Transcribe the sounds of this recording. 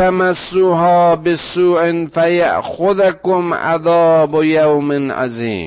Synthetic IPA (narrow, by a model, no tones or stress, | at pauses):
amasːuɦɑːbɪsuːʔɪnfaja̰ʔxʊðakʊmʔa̰ðɑːbʊjawmɪnʔa̰zḭːm